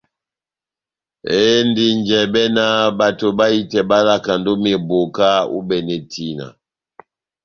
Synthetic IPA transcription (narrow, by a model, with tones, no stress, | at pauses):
e˦n˦di˨nd͡ʒɛ˨bɛ˦na˦ba˨to˨ba˦i˦tɛ˨ba˦la˦ka˨ndo˦m˦ɛ˨bo˨ka˦ṵ˦bɛ˨nɛ˨tʰi˦na̰˨